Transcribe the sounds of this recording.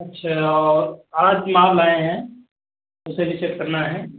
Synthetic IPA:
ɐtːʃʰaɔːɾad͡ʒmãlaːeɦɛ̃ | ʊsẽɾɪt͡ʃekkəɾnaɦɛː

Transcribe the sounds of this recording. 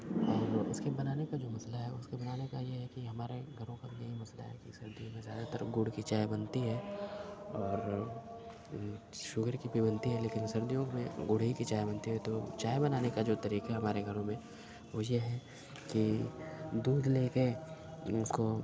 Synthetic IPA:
ɔːɾʊskebɐnaːnekad͡ʒoːmɐslaɦɛʊskebɐnaːnekajeɦɛkiɦɐmaːɾeɡʱɐɾõkabʱijɐɦimɐsla̰ɦɛ̰kisɐɾd̪ijõmẽzjaːd̪at̪əɾɡʊɽkit͡ʃaːjbɐnt̪iɦɛː | ɔːɾ | ʃʊɡəɾkibʱibɐnt̪iɦɛleːkɪnsɐɾd̪ijõmẽɡʊɽ̤ɦikit͡ʃaːjbɐnt̪iɦɛt̪ot͡ʃaːjbɐnaːnekad͡ʒoːt̪ɐɾiːqaɦɛɦɐmaːɾeɡʱɐɾõmẽ | ʋojeɦɛ | ki | d̪uːd̪leːke | ʊsko

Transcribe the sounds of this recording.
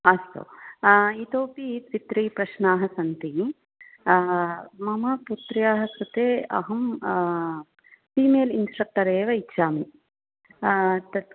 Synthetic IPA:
ɐst̪o̰ːit̪oːpit̪ʋit̪ɾiːpɾɐʃɳaːɦɐsɐnt̪i | mɐmɐput̪ɾijaːɦɐsɾut̪eːɐ̰ɦɐm | piːmeːlinsʈɾɐk̚ʈɐɾeːʋɐitːʃaːmi | t̪ɐ

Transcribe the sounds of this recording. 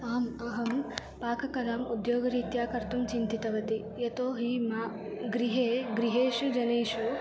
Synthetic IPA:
aːmɐɦɐm | paːkɐkɐlɐmud̪joːɡɐɾiːt̪jaːkɐɾt̪umt͡ʃint̪it̪ɐʋɐt̪i | jet̪oːɦimaː | ɡɾiɦeːɡɾiɦeːʃud͡ʒɐneːʃu

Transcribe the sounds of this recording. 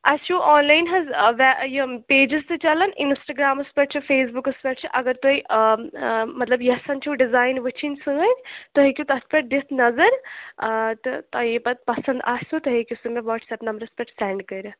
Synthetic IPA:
ɐst͡ʃʰuːʔɔːnlaːjnɦɐzʋɛjɐpeːd͡ʒizt̪ɨt͡ʃɐlɐninsʈɐɡɾaːmɐspɐʈ̚t͡ʃʰɨfeːs̬bukɨspɐʈ̚t͡ʃʰɨʔɐɡɐɾt̪ui | mɐt̪lɐbjɐsɐnt͡ʃʰuɖizaːjnʋɨt͡ʃʰinsɨ̃ɐnʲt̪oɦekʲut̪ɐspʲɐʈ̚d̪it̪ʰnɐzɐɾ | t̪ɨt̪ajipɐt̪̚pɐsɐnd̪aːsut̪ɐɦekʲusumẽʋɔːʈsɛːpnɐmbəɾɐspɐʈsɛːɳɖkɐɾɨ

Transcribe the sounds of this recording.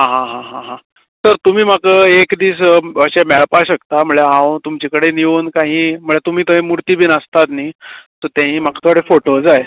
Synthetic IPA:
ɦãɦãɦãɦãɦã | səɾt̪um̤iːm̤akəekd̪iːsəɕemɛɭpaɕəkt̪am̤əɭeãwt̪umt͡ɕekəɽeniʋuːnkãɦĩːm̤əɭet̪um̤iːt̪əẽmuɾt̪iːbiːnəst̪at̪niːt̪əɾt̪ãɦiːmakʰat̪ʰoaɽefoʈod͡zaj

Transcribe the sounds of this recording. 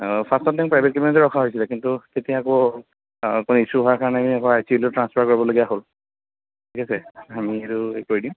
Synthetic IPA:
pʰastɔt̚daŋpɹajbʱet̚kibɛntɔɹɔkʰaɦojsilɛkintutetiakɔ | konoisuɦɔaɹkaɹɔnɛamiakɔajsiblotɹanspʰakoɹibɔloɡijaɦol | tʰikasɛamieɾuekoɹidim

